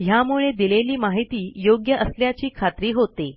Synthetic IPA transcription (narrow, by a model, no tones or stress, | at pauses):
ɦjamuɭed̪ileliːmaɦit̪iːjoɡjəʔəsljat͡ɕiːkʰat̪ɾiːɦot̪e